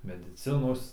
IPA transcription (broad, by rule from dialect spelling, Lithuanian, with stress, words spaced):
mʲɛdʲɪˈt͡sʲɪnoːs